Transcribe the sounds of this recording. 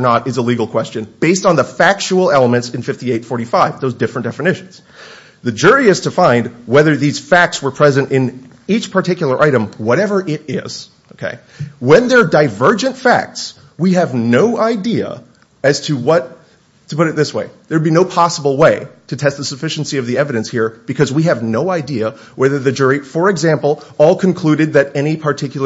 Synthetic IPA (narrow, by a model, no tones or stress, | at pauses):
ə˞nəɾɨzəliɡl̩ˠkʰw̥ɛst͡ʃɨ̃nb̥eɪstn̩ðəfæk̚t͡ʃul̩ˠɛlˠəmɨ̃ntsɨ̃nfɪftieɪtfɔɹɾifaɪvðoʊzdɪfɹɨ̃nd̥ɛfɨnɪʃn̩z̥ | ðɨd͡ʒʊɹiɨz̥tʰɨfãɪ̃ndwɛðə˞ðiz̥fæk̚tswə˞pʰɹ̥ɛzɨ̃ntɪ̃n | it͡ʃpʰə˞tʰɪkjl̩ˠə˞ʔaɪɾɨ̃mwʌɾɛvə˞ʔɪɾɪ̰z̥ | oʊkʰḛɪ | wɨ̃nðə˞daɪvɜ˞d͡ʒɨ̃ntfæ̰k̚ts | wiɨvnoʊʔaɪdiɨ̰ | ɨz̥tʰɨwʌtʰ | ɨpʊɾɨt̪̚ðɪsweɪðə˞dbinoʊpʰɑsəbl̩ˠweɪɾɨtʰɛst̪̚ðəsəfɪʃn̩siʌvðiɛvɨɾɨ̃nshiɹb̥ɨkʰʌzwiɨvnoʊaɪdiɨ | wɛðə˞ðɨd͡ʒʊɹifə˞ɨɡzæ̃mpl̩ˠɔlˠkʰɨ̃n̩kʰl̥ʉɾɨd̪̚ðɨɾɛñipʰə˞tʰɪkjl̩ˠə